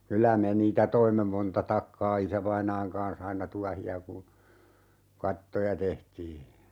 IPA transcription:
kylæ me niːtæ toimːe montɑ tɑkːɑː isæʋɑinɑːŋ kɑːn̞s ɑinɑ tuɑhiɑ kun̞ kɑtːojɑ tehtiː

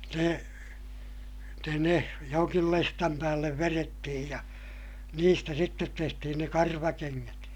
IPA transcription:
ne ne ne joŋkil lestɑm pæːlːeʋ ʋeretːihij jɑ niːstæ sitːet tehtihin ne kɑrʋɑkeŋːæt

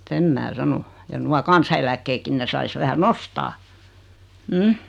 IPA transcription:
sem mæː sɑno jɑ nuɑ kɑnsɑelækːeːkːin ne sɑis ʋæhæ nostɑː m̩

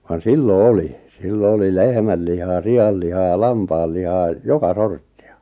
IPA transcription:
ʋɑn silːo oli silːo oli lehmæl lihɑː siɑl lihɑː lɑmpɑːl lihɑː jokɑ sortːi̥ɑ̥

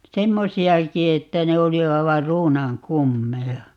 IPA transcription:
semːosiɑki etːæ ne oli ɑiʋɑr ruːnɑŋ kumːejɑ

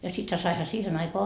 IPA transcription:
jɑ sithæ sɑihɑ siːhen ɑikoɑ

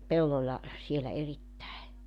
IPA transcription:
pelːolʲlɑ sielæ eritːæe

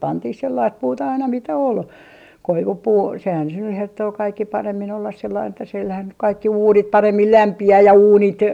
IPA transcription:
pɑntih selːɑist puːtɑ ɑinɑ mitæ ol koiʋupuː sehæn se nyh hertːoː kɑikːi pɑremːin olːɑs selːɑin etːæ silhæn nyk kɑikːi uːnit pɑremːil læmpiæː jɑ uːnit

